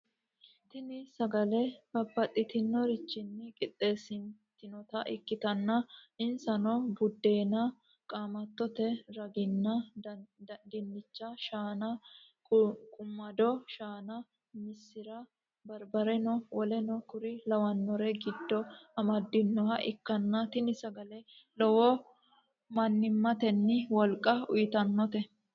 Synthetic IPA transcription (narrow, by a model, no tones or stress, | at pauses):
t̪ɪnɪsɐɡɐlɛb̥ɐbːɐt̪ʼːɪt̪ɪnːɔɾɪt͡ʃːɪnːɪkʼɪt̪ʼːe̞ːsɪnt̪ːɪnɔt̪ɐʔɪkːɪt̪ɐnːɐɪnsɐnɔbʊd̪ːe̞ːnɐ | kʼaːmɐt̪ːɔt̪ɛɾɐɡɪnːɐ | ɡ̪ɪnːɪt͡ʃːɐʃaːnɐ | kʼʊmːɐd̪ɔʃaːnɐ | mɪsːɪɾɐ | bɐɾbɐɾɛnɔwɔlɛnɔkʊɾɪlɐwɐnːɔɾɛɡɪd̪ːɔɐmɐd̪ːɪnːɔɦɐʔɪkːɐnːɐt̪ɪnɪsɐɡɐlɛ | lɔwɔ | mɐnːɪmːɐt̪ɛnːɪwɔlkʼːɐʊjɪt̪ɐnːɔt̪ɛ